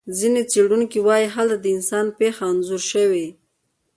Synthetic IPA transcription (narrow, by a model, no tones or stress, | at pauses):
zinet͡seɽunkiwɑjiɦalt̪ad̪əɪnsɑnpexaːnzuɾʃəwe